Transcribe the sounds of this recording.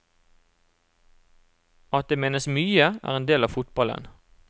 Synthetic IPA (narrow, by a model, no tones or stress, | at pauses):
ɑt̪̚d̪eːmeːnəsmyːəæ̰ːʁeːnd̪eːlɑːʋfʊt̪bɑlə̰n